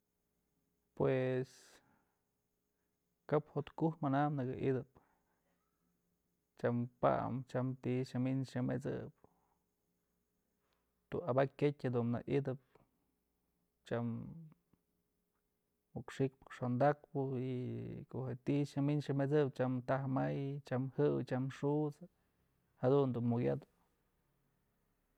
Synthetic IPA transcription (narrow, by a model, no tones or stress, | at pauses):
pwes | kaphot̪kuhmanamnɨɡɨʔḭd̪ɨp | t͡ʃampa̰mt͡ʃamt̪iʃaminʂɨmḛt͡sɨ̰p | t̪uabakʲkʲetʲhad̪unna̰ʔid̪ɨp̚ | t͡ʃam | ukʂik̚pɨ̥kʂond̪ak̚pɨikoʔhet̪iʃɨminʃɨmet͡sɨp̚t͡ʃamt̪ahmajt͡ʃamhɨwt͡ʃamʂut͡s | had̪und̪unmuɡʲad̪